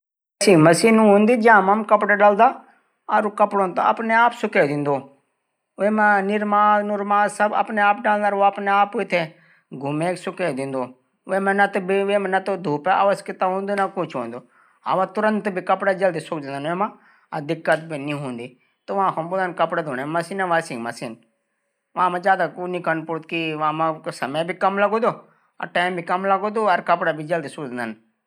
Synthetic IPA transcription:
siːməsiːnũːɦõːnd̪iːd͡ʒãːmãmkəpɽaːɖald̪aː | aɾokəpɽoːnt̪o̰ə̰pneːaːpsʊkeːd̪ɪ̃nd̪oː | eːmãːnɪɾmaːnuɾmaːsəbə̰pneːaːp̚ɖaːlnaːɾoəpneːaːpoɪt̪ʰːeː | ɡʱʊmẽːksʊkeːd̪ɪ̃nd̪oː | ʋeːmɛ̃nat̪obiʋeːmɛ̃nat̪od̪ʱuːpɛʔa̰ːʋəskɪt̪aːɦõːnd̪onakʊ̃t͡ʃʰoːnd̪oː | a̰ʋãt̪ʊɾə̃nt̪bʱikɐpɽad͡ʒɐld̪isʊk̚d̪̃nd̪ənʋeːmãː | ɐd̪ɪkːət̪̚bʱinĩːɦũːnd̪iː | t̪oʋãːkʰoːmboːd̪ankɐpɽaːd̪ʱoːnemɐsinaʋasɪ̃ŋɡmɐsiːn | ʋãːmãːd͡ʒjaːd̪akuːnikənpoːɾt̪kiʋãːmãsɐməbʱikɐmlɐɡoːd̪oː | ɐ̰ʈaːɪmbʱikɐmlɐɡod̪oɐɾkɐpɽabʱid͡ʒɐld̪isʊkd̪nd̪ən

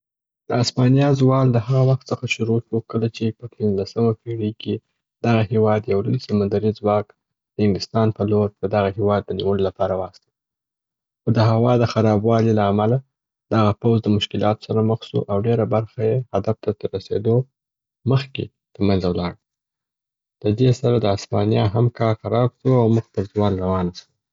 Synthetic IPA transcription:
d̪əaspɑnijɑzwɑld̪əhaɣawaxt̪səxaʃʊɾoʃukəlat͡ʃepəpinzlasəmapiɽikʰe | d̪̥aɣahewɑd̪jawləisamand̪aɾizwɑk | d̪̥əhɪnd̪ɪst̪ɑnpəloɾd̪əd̪aɣahewɑd̪ːəniwəlolapɑɾawɑst̪ə | xod̪əɦawɑd̪əxaɾɑbwɑlilaːmala | d̪̥aɣapawzd̪əmʊʃkɪlɑt̪o̥saɾaməxsṵʔawɖeɾabaɾxajehad̪aft̪ad̪əɾasḛd̪o | məxkḛ | t̪əɾmanzawlɑɽ | ləd̪esaɾad̪əaspɑnjɑɦamkʰɑɾxaɾɑbʃuawmʊxpəɾzwɑnɾawɑnasu

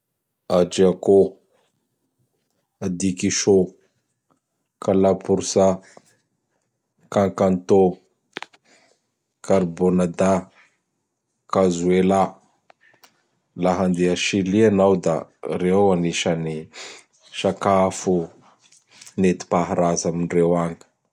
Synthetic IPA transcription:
ad͡ʒiako | ad̪ikiʃo | kʰalapuɾusa | kaŋkant̪o | kʰaɾbonad̪a | kazuela | laɦand̪eaʃilianawd̪a̰ɾeaniʃani | ʃakafu | net̪i̥paɦaɾazaminrewaŋə̥

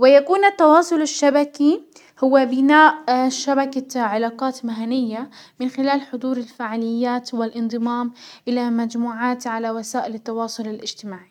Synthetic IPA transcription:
wɪjakuːnat̪ːɑwɑːsˤʊlaʃːabaki | hʊwːabɪnaːʔʃabakaʕalaːqɑːt̪maɦanɪjːamɪnxɪlaːlħʊd̪ˤuːɾɪlfaʕalɪjːaːt̪wɪlʔɪnd̪ˤɨmɑːmʔɪlamad͡ʒmuːʕaːt̪ʕalawasaːʔɪlɪt̪ːɑwɑːsˤʊlɪlʔɪd͡ʒt̪ɪmaːʕi

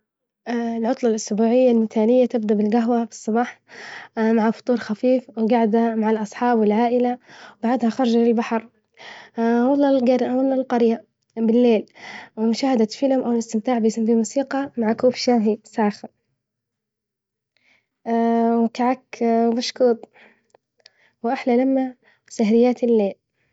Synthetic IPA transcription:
ʔɪlʕʊt̪ˤlɑlʔʊsbuːʕɪjːalmɪt̪aːlɪjːat̪ɪbd̪abɪlɡaɦwabɨ̥sˤːɑbɑːħ | maʕafʊ̥t̪ˤuːɾxafiːfwɪɡaʕd̪hamaʕalʔɑsˤħɑːbwɪlʕaːʔɪlawbaʕad̪haxɑɾˤɑd͡ʒalɪlbaħɑɾˤ | wɑt̪ˤːɑlɡaɾawalːɑlqɑɾja | bɪlːeːlwɪmʊʃaːhɪd̪at̪fɪlamʔawɪlɪst̪ɪmt̪aːʕbɪjsambimuːsiːqɑmaʕakuːfʃaːɦisaːxɪl | wɪk̪aʕakbaʃkuːt̪ˤ | wʔaħlalamːa | saɦɾɪjːaːt̪ɪlːeːl

